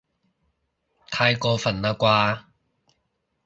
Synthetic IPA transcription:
t̪ʰaː˧jkɔː˧fɐ˨˩naː˧kwaː˧

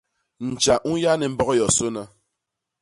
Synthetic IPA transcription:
n̩˨t͡ʃa˨ʔu˦ja˦nɛ˨m̩˦bɔ˦ɣɔ˦jɔ˨so˦na˦

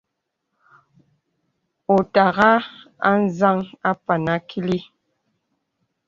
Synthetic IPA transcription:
o˨ta˨ɣa˦ | a̰˦n̩˦za˦ŋa˦pa˨na˦kʰi˦li˦

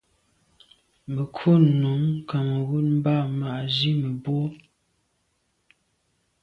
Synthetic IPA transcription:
mə˨kʰo˦nu˨˦mka˨m˨ɣu˦t̚m˦ba˦˨ma˨ʔzi˦mə˨bo˦

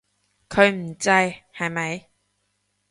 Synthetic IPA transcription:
kʰɵ˨˧ɥm̩˨˩t͡sɐ˥˧jhɐ˨jmɐ˧j

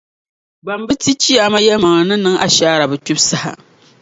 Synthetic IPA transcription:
ɡ͡ba˨mbɨ˦ti˦t͡ʃi˦a˨ma˦jɛ˦lma˨ŋɨ˨nɨ˦nɨ˦ŋʔa˨ʃaː˦ɾa˨bɨ˨t͡ʃʊ˦bsa˦ha̰˨

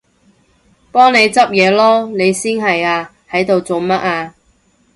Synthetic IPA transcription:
pɔː˥ŋne˨˧jt͡sɐ˥p̚jɛː˨˧lɔː˥ne˨˧jsiː˥nɦɐ˨jaː˧ | hɐ˨˥jt̪o˨wt͡so˨wmɐ˥t̚aː˧

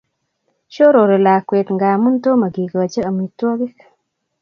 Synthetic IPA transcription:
ʃo˦ɾo˨ɾe˨la˨kwe˨t̪ŋɡa˨mu˦nto˦ma˨ɡi˨ɡo˨t͡ʃe˦a˨mi˨two˦ɡi˦k

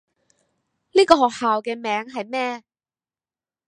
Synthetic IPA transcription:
liː˥kɔː˧ɦɔː˨k̚haː˨wkɛː˧mɛː˨˧˥ŋɦɐ˨jmɛː˥

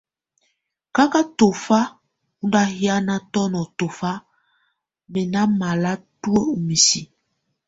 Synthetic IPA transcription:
ka˦ka˦to˨fa˦ | u˦nda˦hi˦a˦na˦tɔ˦nɔ˨to˨fa˦ | mɛ˨na˦ma˨la˦tu˦ə˦u˨mi˨si˨

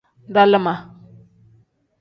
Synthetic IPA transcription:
n˦da˦lə˦ma˨

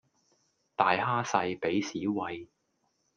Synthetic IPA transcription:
t̪aː˨jhaː˥sɐ˧jpe˨˥jsiː˨˥wɐ˧j

